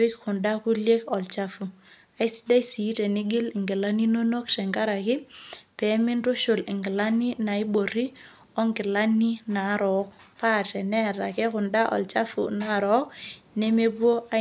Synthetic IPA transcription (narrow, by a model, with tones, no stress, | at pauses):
ɪ˦kkʊ˨nda˦ku˦lje˦kɔ˨lt͡ʃa˦fu˨ | a˨i˦si̥˦da˦i˦si˨˦te˨ni˦ɡɪ˦lɪ˨ŋɡɪ˨la˦ni˦no˦no˦ktɛ˨ŋɡa˦ɾa˨kɪ˦pɛ˨˦mɪ˦nɾu˦ʃʊ˨lɪ˨ŋɡɪ˨la˦ni˦na˨i˦bo˨ɾi˦ | ɔ˦ŋɡɪ˨la˦ni˦na˨˦ɾɔ˨˦k̚pa˦˨tɛ˨nɛ˦˨ɾa˨kɛ˦kʊ˨nda˦ʔɔ̰˨lt͡ʃa˦fṵ˨na˦˨ɾɔ˨˦k̚ne˦me˦bwo˦a˦